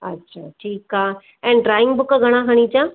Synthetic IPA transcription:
ɐ̰tːʃʰaːʈʰiːkaː | ɛ̃ːɳɖɾaːjɪ̃ŋɡbʊkːaɡʱɐɽ̃aɦɐɽ̃ĩːt͡ʃaː

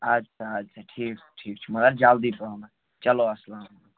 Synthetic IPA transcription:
aːd͡ʒsʰaaːd͡ʒsʰaʈʰiːkʈʰiːkt͡ʃʰumɐd̪ɐɾd͡ʒaːld̪ipɐõna | t͡ʃɐloɐslaːm | a

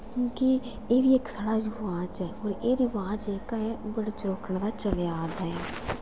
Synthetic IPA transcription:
kjõːki | eːʋieːksəɽaːɾɪʋaːd͡ʒɦɛːɔːɾeːɾɪʋaːd͡ʒeːkaɛbəɽat͡ʃɾoːkəɳd̪at͡ʃəleaːd̪aːɛː

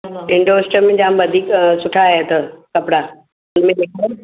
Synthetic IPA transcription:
ɪ̃ɳɖoɪsʈəmẽd͡ʑãːmʋɐd̪ʱiːksʊʈʰaɦet̪ɐkɐpɽaː | ʊnmẽneke

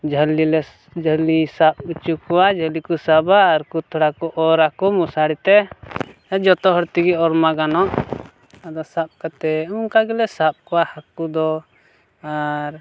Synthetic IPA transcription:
d͡ʒʱəlilɛ | d͡ʒʱəlisap̚ut͡ʃukɔwad͡ʒʱəlikusabaːɾkut̪ʰɔɽakɔʔɔɾakɔmusaɽit̪ɛ | d͡ʒɔt̪ɔɦɔɾt̪iɡiɔɾmaɡanɔʔ | ad̪ɔsap̚kat̪ɛuŋkaɡɛlɛsap̚kɔwahakud̪ɔ | aɾ

